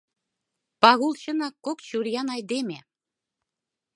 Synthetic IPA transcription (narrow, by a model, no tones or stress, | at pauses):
pɑɣult͡ɕɤ̆nɑkːokt͡ɕuɾjɑnɑjd̪emʲe